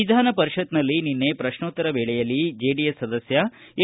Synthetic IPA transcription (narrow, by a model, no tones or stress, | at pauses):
id̪ʱaːnɐpɐɾiʃɐt̪nɐlːininːe̞pɾɐʂnoːt̪ːɐɾɐbeːɭɛjɐlːid͡ʒeːɖijesːɐd̪ɐsjɐ | e